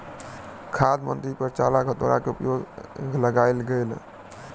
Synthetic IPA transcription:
kʰad̪mə̰nt̪ɾipəɾt͡ʃalaɡʱət̪oɾa̰keupjoɡɡʱləɡaelɡel

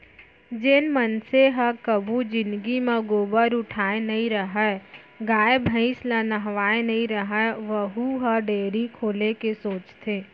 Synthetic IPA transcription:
d͡ʒɪnmənseɦəkəbʱud͡ʒɪnd̪ɡimãɡoːbəɾʊʈʰaːenɐɦĩɾəɦɛ | ɡaːebʱə̃ɪslanəɦʋaːenɐɦĩɾɐɦəʋəɦuɦəɖeːɾikʰoːlekesoːt͡ʃt̪ʰeː

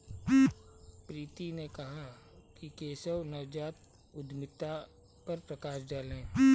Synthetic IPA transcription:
pɾiːt̪inekɐɦa | kikeːsəwnɐʋd͡ʒaːt̪̚ | ʊd̪mɪt̪ːa | pɐɾpɾɐkaːʃdaːlẽː

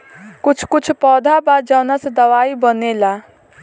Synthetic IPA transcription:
kʊt͡ʃʰkʊt͡ʃʰpɔd̪ʱabad͡ʒawnased̪əʋaibənela

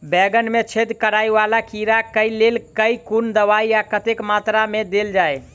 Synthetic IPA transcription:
bɛɡənmet͡ʃʰed̪kəɾajʋalakiɾakəilelkəikund̪əʋaiakət̪ekmat̪ɾamed̪eld͡ʒae

